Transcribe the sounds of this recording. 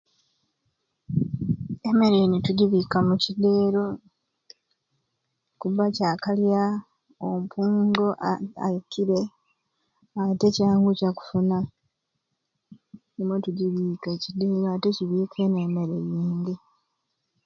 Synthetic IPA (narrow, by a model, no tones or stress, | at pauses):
e̞me̞ɾejinituɟiβikamucide̞ːɾo | kuβacaːkalja | ompʰuːŋɡoʔa̰kiɾe̞ | ate̞caːŋɡucaku̥funa | nimwetuɟiβiːkecide̞ːɾoate̞ciβiːkʰe̞ne̞ːme̞ɾejiːnd̪i